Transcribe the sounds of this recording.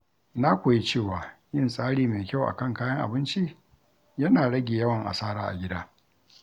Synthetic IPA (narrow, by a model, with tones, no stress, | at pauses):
na˦kʷoː˨ji˦t͡ʃeː˦˨waː˨jɪ˦nsʼaː˦ɽiː˦meː˨kʲa˦˨wʔa̰˨kɐ˦˨ŋkaː˦jɐ˦ŋʔa̰˨bɪ˦nt͡ʃi˦ | jɐ˦naː˨ɽɐ˦ɡʲeː˨jɐ˦wɐ˨ŋʔa̰˨saː˦ɽaː˦ʔa̰˨ɡʲɪ˦daː˦